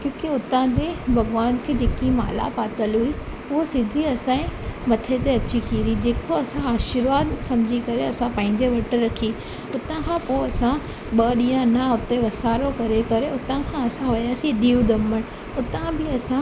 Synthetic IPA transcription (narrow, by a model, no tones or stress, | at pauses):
kjõːkiʊt̪ãd͡ʑeːbʱɐɣʋaːnkʰeːd͡ʑeːkima̰ːla̰paːt̪əlɦui | ʊɦosɪd̪ʱiɐsãːĩmɐt̪ʰet̪eɐt͡ɕik̪ʰiːɾid͡ʑeːkoɐsãaːʃɪɾʋaːd̪sɐ̃md͡ʑʱikɐɾeɐsãpɐ̃ːɪ̃ɲd͡ʑeʋɐʈ̆ɾɐkʰi | ʊt̪ãkʰãːpoɐsã | ɓɐɗĩːãnaʊt̪eʋɐsaːɾokɐɾekɐɾeʔʊt̪ãkʰãɐsãɦɐjaːsid̪iːũd̪ʱɐməɽ̃ | ʊt̪ãbɪɐsã